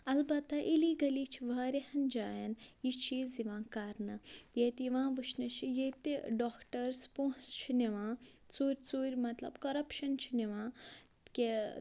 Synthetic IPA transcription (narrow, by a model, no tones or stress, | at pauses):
ɐlbɐt̪ːɐʔiliːɡɐliːt͡ʃʰiʋaːɾehɐnd͡ʒaːjɐnjit͡ʃʰiːziʋãːkaɾnɐjet̪iʋãːʋɨʃnɐt͡ʃʰijet̪iɖoːkʈɐɾspõːst͡ʃʰineʋãːt͡suːɾʲt͡suːɾʲmɐt̪lɐ̰bkɐɾɐpʃɐnt͡ʃʰiniʋãː | ke